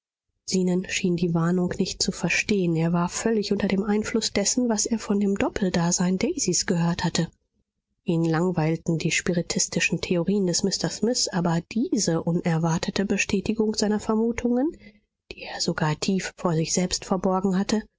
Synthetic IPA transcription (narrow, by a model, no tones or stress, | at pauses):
z̥iːnənʃiːndiːvaɐnʊŋknɪçt̚t͡sufɛɐʃteːəneːɐvaːɐfœlɪçʔʊntɐdeːmʔaɪnflʊsd̥ɛsn̩vaseːɐfɔndeːmdɔpʰl̩daːzaɪndɛɪzisɡ̥əhøːɐthatə | ʔiːnlaŋvaɪltn̩diːʃpiʁitʰɪstɪʃn̩tʰeoʁiːəndɛsmɪstɐsmɪsʔaːbɐd̥iːzəʔʊnɛɐvaɐtʰətəbəʃtʰɛːtɪɡʊŋkz̥aɪnɐfɛɐmuːtʰʊŋən | d̥iːeːɐzoɡaːɐtʰiːfːoːɐzɪçz̥ɛlpstfɛɐbɔɐɡŋ̩hatə